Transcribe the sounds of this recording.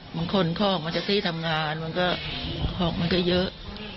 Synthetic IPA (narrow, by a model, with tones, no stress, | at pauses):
ma˧nkʰo˧nkʰɔː˧˥˩k̚ma˧nt͡ɕa˨˩t̪ʰiː˥˩t̪ʰa˧mŋaː˧nma˧nkɔː˥˩kʰɔː˧˩ŋ̚ma˧nkɔː˥˩jɤ˦˥ʔ